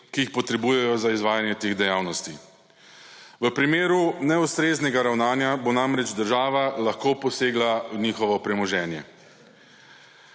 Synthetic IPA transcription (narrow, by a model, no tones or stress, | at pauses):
kiixpɔt̪ɾɛbuːjɛjɔzaizʋaːjanjɛt̪eːɣd̪ɛjaːwnɔst̪i | ʋəpɾimeːɾunɛust̪ɾeːznɛɡaɾawnaːnjabonamɾɛd͡ʒd̪əɾʒaːʋalaxkoːpɔseːɡlaniːxɔʋɔpɾɛmɔʒɛːnjɛ̰